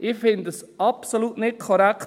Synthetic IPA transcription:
ʔɪfɪndəs | ɑpsoluːtnɪt̚kʰɔɾækt

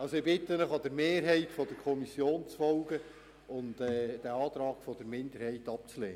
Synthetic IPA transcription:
ɑlsoɪbɪtːənəχɑd̪əɾmeːɾɦɛɪtfɔdəɾkʰɔmisjoːnt͡sfɔlɡə | ʊntɛd̥æɑːt̪ɾɑːɡ̥fɔd̥əɾmɪnd̪əɾhɛɪtɑp̚t͡slḛːə

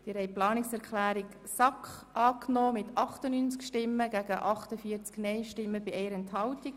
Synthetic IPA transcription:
d̥ɪɾhɛɪplɑːnɪksɛɾkχlæːɾik | sɑkχʔɑːknoːmɪt̪ʔɑχtənyːnt͡skʃtɪmːəɡæɡ̥əʔɑχtəfiəɾt͡sknɛɪʃtɪmːəbɪʔɛɪəɾɛnthɑwtik

